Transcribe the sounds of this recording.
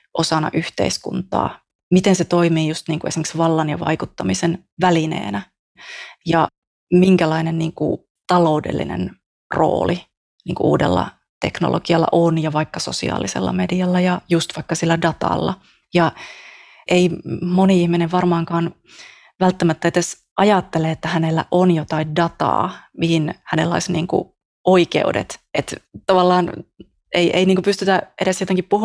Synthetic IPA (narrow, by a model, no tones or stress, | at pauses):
ʔosɑnɑ̰ʔyht̪ḛiskṵnt̪ɑ̰ː | mit̪enset̪oimiːjust̪niːŋkue̞simeksʋɑlːɑnjɑʋɑ̰ikut̪ːɑmisen | ʋælinḛːnæ | jɑ | miŋkælɑinenniːŋkṵ | t̪ɑloudḛlːḭnḛn | ro̰ːli | niːŋkuʔṵːdḛlːɑ̰ | t̪ekno̰lʔo̰ɡ̥iɑlːɑ̰ʔonjɑʋɑikːɑso̞̰sḭɑ̰ːlisḛlːɑ̰mediɑlːɑjɑjust̪ʋɑikːɑsilːædɑt̪ɑ̰lːɑ̰ | jɑ | ʔeimoniihmineʋʋɑrmɑːŋkɑːn | ʋælt̪ːæmæt̪ːæet̪es | ʔɑjɑt̪ːeleet̪ːæhænelːæ̰ʔonjot̪ɑindɑt̪ɑ̰ːmihinhænelːɑ̰isniːŋkṵ | oikḛudḛt̪et̪t̪ɑʋɑlːɑːn | ʔeiʔeiniːŋkupyst̪yt̪æʔeɾesjot̪eŋkippuh